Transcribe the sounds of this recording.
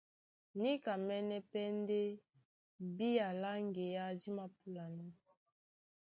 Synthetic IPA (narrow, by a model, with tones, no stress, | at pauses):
ni˦ka˨mɛ˦nɛ˦pɛ˦nde˦ | bi˦ja˨la˦ŋɡe˨ja˦zi˦ma˦pu˦la˨nɔ˦